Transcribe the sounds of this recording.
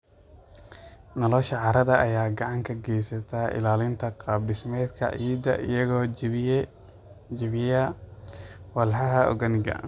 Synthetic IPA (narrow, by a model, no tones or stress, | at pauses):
nɔlɔʃɐʕɑɾɐðɐʔɐjaːɡɑʕɑŋkʰɐɡɛjsɐt̪ʰaʔɪ̰laːlɪnt̪ʰɐqɑːb̚ɖɪsmɛːd̪kʰɐ̰ʕiːd̪ɐʔɪ̰jɐɣɔː | d͡ʒɪβɪjɐ | wɐlħɑɦɐʔɔ̰ɣɐnɪɡɐ̰